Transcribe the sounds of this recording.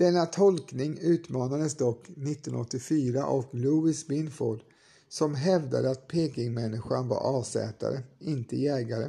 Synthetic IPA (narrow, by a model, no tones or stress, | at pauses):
d̪̥ɛnːat̪ʰɔlknɪŋʉ̟ːt̪mɑːnad̪əsd̪ɔkːnɪt̪ːɔnɔt̪ːɪfyːɾa̰ʔɔkluɪsbɪnfoːɖ | sɔmɦɛvd̪a̰d̪əat̪̚pʰeːkɪŋmɛnːɪɧaɳva̰ɾʔɑːsɛ̰ːt̪a̰ɾəɪnt̪əjɛːɡaɾə